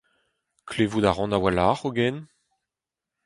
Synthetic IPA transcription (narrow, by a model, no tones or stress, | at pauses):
kʰleːvudaʁɑ̃nawalaχoɡɛn